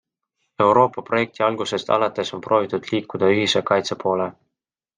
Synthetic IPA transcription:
e̞wɾo̞ːpːˑɑpro̞je̞k̚t̪iɑlɡ̥use̞st̪ɑ̰lɑt̪ːˑe̞so̞npro̞ːvit̪ud̪̥liːkːˑud̪̥ɑyɦise̞kɑjt̪sepo̞ːle̞

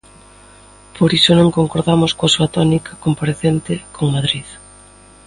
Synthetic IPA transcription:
poɾisonõŋkoŋkoɾðamoskoasuat̪ɔnikakompaɾeθent̪ɪkʰoŋmaðɾið

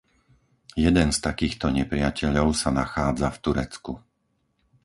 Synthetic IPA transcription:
jɛd̪ɛnst̪akiːxt̪ɔɲɛpɾɪacɛʎɔʊsanaxaːd͡zaft̪uɾɛt͡sku

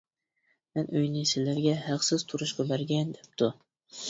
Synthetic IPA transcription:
mɛnøjnɪsɪzlæɾɡʲɛhæqsɪz̥t̪ʰuɾuʃqʰɑbæɾɡʲɛnd̪ɛp̚t̪ʰu

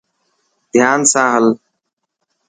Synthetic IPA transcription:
d̪ʱjaːnsãːɦəl

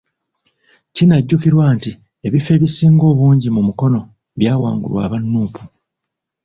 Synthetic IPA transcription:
cinaɟːukiɾwaːnti | e̞βife̞ːβisiːŋɡo̞ːβuːɲɟimumuko̞no̞ | βjaːwa̰ːŋɡṵlwa̰ːβanːuːpu̥

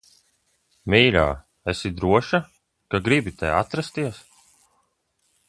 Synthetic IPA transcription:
miːlʲa̰ː | esid̪ɾuɔʃa | kaɡɾibit̪ɛ̰a̰t̪ɾast̪iɛs

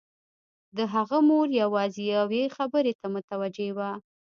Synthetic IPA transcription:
d̪əɦaɣamoɾjawɑzejawexabəɾet̪amʊt̪awad͡ʒewa

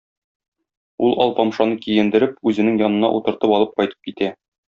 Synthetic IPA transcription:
ulˠɒlˠpɑmʃɑnɤkijɘ̆nd̪ɘ̆ɾɘpʉzɘ̆nɘŋjɒnɤ̆nɑ̰ʔut̪ɤ̆ɾt̪ɤpɒlˠɤp̚qɒjt̪ɤ̥p̚kit̪æ

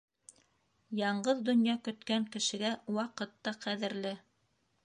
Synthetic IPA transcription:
jɑɴɢɤðd̪ŏnjɑkɵ̆t̪kæŋkɘ̆ʃɘ̆ɡæwɑqɤ̆t̪ːɑqæðɘ̆ɾlɘ

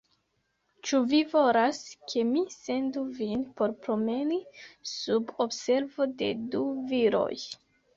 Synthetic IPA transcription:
t͡ʃuvivo̞laskʰe̞mise̞nduvinpo̞ɾpɾo̞me̞nisubobse̞ɾvo̞de̞̰duviɾo̞̰j

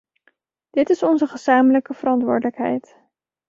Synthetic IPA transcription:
d̥ɪtɪsɔnzəχəz̥aːmələkəv̥əɾɑntʋʊ̰ːɹdələkɦɛ̰jt

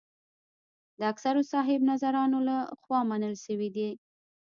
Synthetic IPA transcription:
d̪əaksaɾosɑɦɪbnazaɾɑnolaxwɑmanəlʃəwid̪i

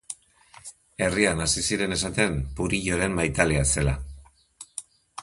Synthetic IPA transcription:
e̞rianasisiɾe̞ne̞sat̪e̞mpuɾiʎo̞ɾe̞mmajt̪alease̞la

